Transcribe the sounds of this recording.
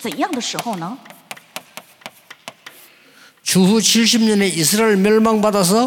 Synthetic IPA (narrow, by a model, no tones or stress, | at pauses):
t͡sənjaŋd̪əʂɻ̩xoʊnə | t͡ɕuɦut͡ɕʰiɭɕ̬ib̚ɲʌne̞is̬ʰɯɾaeɭmjʌɭmaŋpadas̬ʰʌ